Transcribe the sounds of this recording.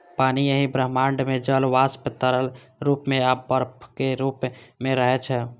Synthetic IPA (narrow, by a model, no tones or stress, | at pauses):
paniəɦibɾəɦmaɳɖmed͡ʒəlʋaspet̪əɾəl | ɾupmeabəɾpʰkeɾupmeɾəɦɛt͡ʃʰɛ